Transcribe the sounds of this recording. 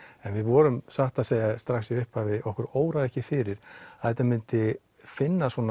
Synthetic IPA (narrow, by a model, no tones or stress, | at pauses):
ɛnvɪðvɔːɾʏmsaht̪aðseːjast̪ɾaxsiʏhpavɪɔhkʏɾoːwɾaðɛhcɪfɪːɾɪɾ̥aðɛht̪ːamʏnt̪ɪ | fɪnːasɔn